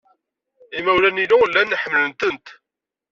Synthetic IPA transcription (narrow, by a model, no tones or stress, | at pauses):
imæwlæniluəlːænːəħəmələnt̪ənt̪